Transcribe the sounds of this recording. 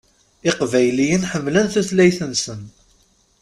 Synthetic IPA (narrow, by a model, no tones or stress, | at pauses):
ɪqvæjlijənħəmːlənθuθlæjθənsən